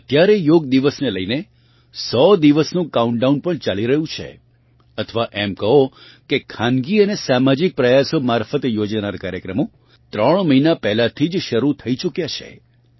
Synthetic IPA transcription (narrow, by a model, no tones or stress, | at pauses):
ət̪jaɾejoɡd̪iʋəsneləine | sɔd̪iʋəsnũkauɳɖaunpəɳt͡ʃaliɾəɦũt͡ʃʰḛ | ət̪ʰəʋaʔemkəɦo | kekʰãnɡiənesamad͡ʒik̚pɾəjasomaɾfət̪jod͡ʒanaɾkaɾjəkɾəmo | t̪ɾəɳ̃məinapɛɦlat̪ʰid͡ʒʃəɾut̪ʰəit͡ʃukjat͡ʃʰḛ